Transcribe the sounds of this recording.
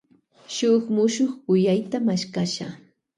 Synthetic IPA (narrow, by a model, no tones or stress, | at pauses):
ʃʊχmʊʃoχkʊjajt̪amaʃkaʃa